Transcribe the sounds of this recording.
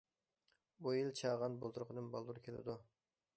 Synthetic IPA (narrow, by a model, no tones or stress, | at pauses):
bujilt͡ʃʰɑʁɑnbolˠt̪uɾʊqʰənɨmbɑlˠd̪uɾkʲʰelɪ̰d̪u